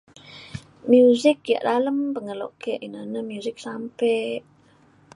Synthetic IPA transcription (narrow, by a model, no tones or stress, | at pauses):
mjuzɪk̚ja̰ʔdaləmpəŋəlo̰ʔkeʔinənəmjuzɪk̚sampeʔ